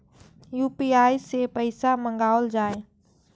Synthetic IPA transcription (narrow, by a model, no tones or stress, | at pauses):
juːpiːaːisepəɪsamə̃ŋɡaːld͡ʒaːe